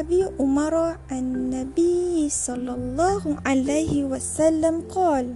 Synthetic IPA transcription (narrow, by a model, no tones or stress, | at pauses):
ʔabiːʔʊmɑɾˤʕannːabijsˤɑlːɑlˤːɑːhʕalajhɪwasalːamqɑːl